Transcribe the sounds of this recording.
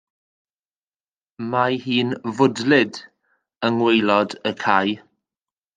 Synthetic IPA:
mahiːnvʊdlɪd | əŋwejlˠɔdəkʰaj

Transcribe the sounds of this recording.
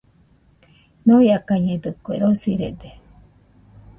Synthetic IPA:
nojakaɲẽd̪ɨkueɾosiɾḛd̪e

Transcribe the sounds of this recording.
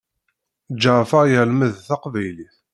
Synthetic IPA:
d͡ʒːəʁfəʁjəlməðθɑqvæjliθ

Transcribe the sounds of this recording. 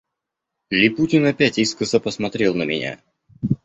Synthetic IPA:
lʲɪputʲɪnɐpʲætʲiskəsəpəsmɐt̪ɾʲe̞lˠnəmʲɪ̰nʲa̰

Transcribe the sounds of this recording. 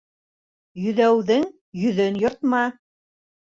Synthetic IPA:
jɵ̆ðæwðɘŋ | jɵ̆ðɵnjŏɾt̪mɑ

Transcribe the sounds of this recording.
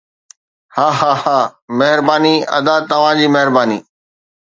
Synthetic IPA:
haːɦaːhaːmɐɦɪɾbaːniɐ̰d̪at̪ɐʋ̤ãd͡ʑiːmɐɦɪɾbaːniː

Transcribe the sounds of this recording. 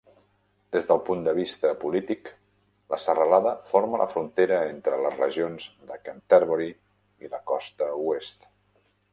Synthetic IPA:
d̪̥ezðəlˠpund̪əβ̞ist̪əpulit̪ik | ləsərəlaðəfoɾməlʔə̰fɾunt̪eɾəent̪ɾələzrəʒionzðəkənt̪ɛɾβəɾi | iləkɔst̪əuest̪

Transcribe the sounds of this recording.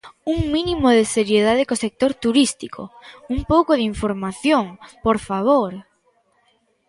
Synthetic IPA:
uŋminĩmoðeseɾjeð̞aðɪkosek̚t̪oɾt̪uɾist̪ikʰo̰uŋpowkoð̞iɱfoɾmaθjoŋpoɾfaβ̞oɾ

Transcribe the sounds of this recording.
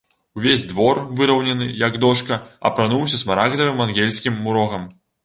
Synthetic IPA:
uvʲezʲd̪vɔrvɨɾɐwnʲɐnɨjɐɡd̪ɔʂkɐɐ̰pɾanuwsʲɐsmaɾaɡd̪ɐvɨmanɣʲelʲsʲkʲimːuɾɔɣɐm

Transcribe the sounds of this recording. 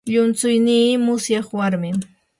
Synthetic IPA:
ʎʊnt͡sʊjniːmʊsjɑχwaɾmɪŋ

